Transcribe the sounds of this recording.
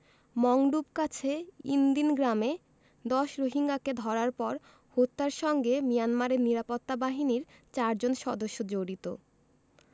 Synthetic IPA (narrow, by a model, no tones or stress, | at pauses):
mɔŋɖubkat͡ɕʰeind̪inɡɾame | d̪ɔʃɾoɦiŋɡaked̪ʱɔɾaɾpɔɾ | hot̪ːaɾʃɔŋɡemijanmaɾeɾniɾapot̪ːabaɦiniɾt͡ɕaɾd͡ʑonʃɔd̪oʃːod͡ʑoɽit̪o̰